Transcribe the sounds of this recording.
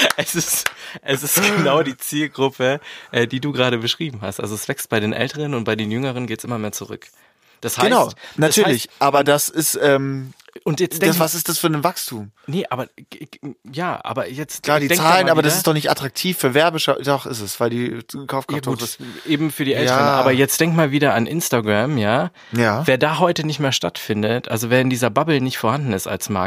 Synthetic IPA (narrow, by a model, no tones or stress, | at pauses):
ʔɛsɪstʔɛsɪstɡ̥ənaʊdiːt͡siːlɡʁʊpʰəʔɛːdiːduːɡʁaːɾəbəʃʁ̥iːbm̩ɦa̰stʔa̰lzoɛsv̥ɛkst̚b̥aɪɾeːnʔɛ̰ltʰəʁənʊnt̚b̥aɪdeːnjʏŋəʁənɡeːtsʔɪmɐmeːɐt͡suʁʏ̰k | d̥ashaɡəɪnaʊnattʰyːɐlɪçʔaːbɐdasɪstʔɛːmʔʊntjɛ̥avasɪstd̥asfyɐdɪnvakstʰuːmnəʔa̰ːbɐ | jaːʔa̰ːbɐjɛt͡stlaːdiːdɛŋt͡saːlənnʔaːbɐdasɪstd̥ɔχnɪçtʔa̰tʁ̥ak̚tʰiːfːyːɐvɛɐbəʃadɔχɪ̰sɛsv̥aɪldiːkʰaʊfkʰaaːɡuːtʔeːbm̩fyːɐɾiːʔɛltəənaːbɐjɛt͡std̥ɛŋktmaːlviːɾɐanʔɪnstaɡʁamjaː | jaːveːɐdaːɦɔʏtənɪçtmeːɐʃtatfɪndətʔalzoveːɐɪndiːzɐbabl̩nɪçtfoːɐhandn̩ɪsta̰lsma̰